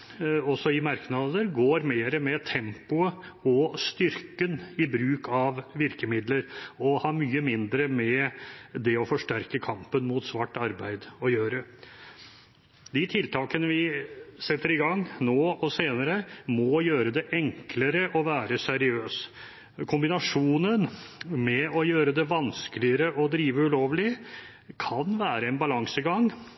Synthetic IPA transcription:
ɔsːɔɪmɑɾknɑd̪əɾɡoːɾmeːɾəmɛt̪ʰɛmpʊəɔst̪ʏɾkənɪbɾʉːkɑʋʋɪɾkəmɪd̪ləɾɔhɑːɾmyːəmɪnd̪ɾəmɛd̪ɛɔfɔʂʈæɾkəkʰɑmpənmʊt̪sʋɑʈːɑɾbæɪd̪ɔjøːɾə | d̪ɪt̪ʰɪlt̪ʰɑːkənəʋɪsɛt̪ʰːəɾɪɡɑŋːnoːɔseːnəɾəmɔjøːɾəd̪ɛʔɛŋkʰləɾəʔɔʋæːɾəsɛɾɪøːs | kʰʊmbɪnɑʂuːnənmɛɔjøːɾəd̪ɛʋɑnskəlɪəɾəʔɔd̪ɾiːʋəʉloːʋlɪ | kʰɑnʋæːɾəɛnbɑlɑŋsəɡɑŋ

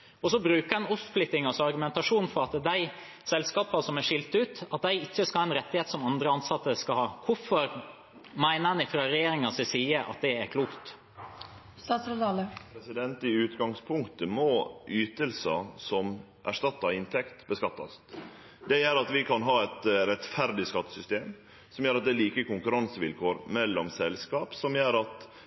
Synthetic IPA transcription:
ɔsɔbɾʉːkəɾɛnʊsplɪt̪ːɪŋɑsɑɾɡʉmɛnt̪ɑʂuːnfɔɾɑt̪d̪æɪ | sɛlskɑːpɑsɔmæʂɪlt̪ʉːt̪ɑt̪̚d̪æɪɪçːəskɑhɑːɛnɾɛt̪ːɪheːt̪sɔmɑnd̪ɾəɑnsɑt̪ːəskɑhɑːkʰʊfɔɾ | mæɪnəɑnɪfɾɑɾɛjeːɾɪŋɑsɛsiːəʔɑ̰t̪̚d̪ɛæɾkʰluːkt̪ | st̪ɑːsɑt̪ɑːləpʰɾɛsɪd̪ɛnt̪ɪʉːt̪ɡɑŋspʰʊŋkt̪əmɔʔyːt̪əlsɑsɔm | ʔæʂtɑt̪ːɑɪnt̪ʰɛkt̪bəskɑt̪ːɑ̰st̪ | d̪ɛjøːɾɑt̪ʋɪkʰɑnɦɑːɛt̪ɾɛt̪fæɾd̪ɪskɑt̪ːə̥sʏst̪eːm | sɔmjøːɾɑt̪̚d̪ɛæliːkəkʊŋkʉɾɑnsəʋɪlkʰoːɾmɛlːɔmsɛlskɑːpsɔmjøːɾɑt̪

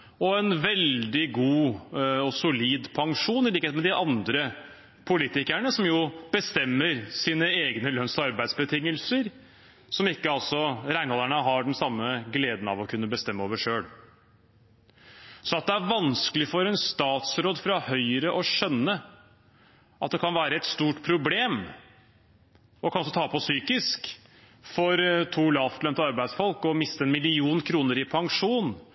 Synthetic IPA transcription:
ɔɛnʋɛld̪ɪɡuːɔsʊliːd̪pʰɑŋʂuːnɪliːkəeːt̪mɛd̪ɪʔɑnd̪ɾə | pʰʊliːt̪ɪkæɳəsɔmjʊb̥əst̪ɛmːəɾsiːnəeːɡnəlœnsɔɑɾbæɪd̪sbət̪ʰɪŋːəlsəɾ | sɔmɪkːəɑlsɔɾæɪnhɔlæɳəɦɑɖɛnsɑmːəɡleːd̪n̩ɑ̰ʋɔkʰʉnːəbəst̪ɛmːəoːʋəʂøːɽ | sɔɑt̪̚d̪ɛæɾʋɑnskəlɪfɔɾɛnst̪ɑːt̪sɾoːd̪fɾɑhœʏəɾəʔɔɕœnːə | ʔɑt̪̚d̪ɛkʰɑnʋæːɾəɛt̪st̪uːʈpʰɾʊbleːm | ɔkʰɑnɔs̬ɔt̪ʰɑːpʰɔsyːkɪsk | fɔɾt̪ʰuːlɑːft̪lœmt̪əɑɾbæɪd̪sfɔlkɔmɪst̪əɛnmɪlɪuːnkʰɾuːnəɾɪpʰɑŋʂuːn

